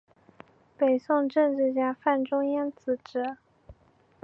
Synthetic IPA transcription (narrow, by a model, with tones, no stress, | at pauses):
pe˨˩ɪsʊ˥˧ŋʈ͡ʂɤ˥˧ŋʈ͡ʂɻ̩˥˩t͡ɕja˥fa˥˩nʈ͡ʂʊ˥ŋjɛ˥nt͡sɹ̩˧˥ʈ͡ʂɻɤ˨˧˩